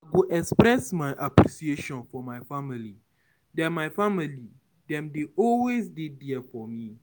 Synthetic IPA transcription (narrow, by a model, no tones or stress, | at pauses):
aɡoʔɛkspɾɛsmaɪʔapɾisieʃɔ̃nfɔmaɪfamili | dɛ̃nmaɪfamili | dɛ̃mdeʔɔlwesdidiɛfɔmĩ